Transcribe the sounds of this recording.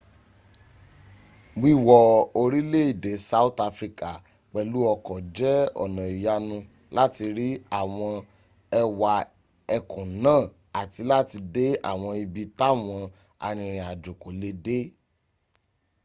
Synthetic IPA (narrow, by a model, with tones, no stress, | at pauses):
ɡ͡bi˦˨wɔ˨o˧ɾi˦le˦i˦˨de˨˦sa˧˦u˦ta˧fɾi˧ka˨ | k͡pɛ˨lu˨˦ɔ˧kɔ˨d͡ʒɛ˦ɔ̰˨nã˨i˨ja˧nũ˧ | la˦ti˧ɾi˦a˦˨w̃ɔ̃˧ | ɛ˧wa˨ | ɛ˧kũ˨nãː˦˨ | a˨ti˧la˦ti˧de˦a̰˦˨w̃ɔ̃˧i˧bi˧ta˦˨w̃ɔ̃˧ | a̰˧ɾ̃ĩ˧ɾĩ˨a˨d͡ʒo˨ko˨le˧˦de˦